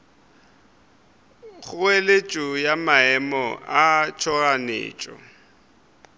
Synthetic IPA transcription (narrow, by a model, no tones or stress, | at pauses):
ɣʊelet͡ʃʼʊjamaɛmɔat͡ʃʰɔɣanḛːt͡ʃʼɔ̰